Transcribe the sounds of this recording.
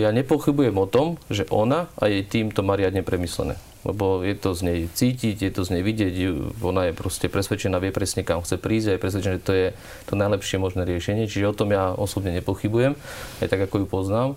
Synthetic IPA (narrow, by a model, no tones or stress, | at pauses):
jaːɲɛpɔxibujɛmɔt̪ɔmʒɛʔɔnaa̰jɛt̪iːmt̪ɔmaːɾɪad̪ɲɛpɾɛmislɛ̰nɛ̰ː | lɛ̰bɔjɛt̪ɔzɲɛjt͡siːciɟjɛt̪ɔzɲɛjʋiɟɪɛɟuɔnajɛpɾɔscɛpɾɛsʋɛt͡ʃɛnaːʋɪɛpɾɛsɲɛkamxt͡sɛpɾiːzɟajɛpɾɛs̬ʋɛt͡ʃɛnaʒɛt̪ɔjɛ | t̪ɔnajlɛpʃɪɛmɔʒnɛːɾɪɛʃɛɲɪɛt͡ʃiʒɛɔt̪ɔmjaːɔsɔbɲɛɲɛpɔxibujɛma̰jt̪aɡakɔjupɔznaːm